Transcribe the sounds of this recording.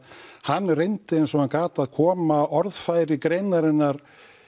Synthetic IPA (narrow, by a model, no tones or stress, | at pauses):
hanːrejnt̪ɪensɔankaːt̪aðkʰɔːmaɔɾðfaːjɾɪkɾejnaɾɪnːaɾ̥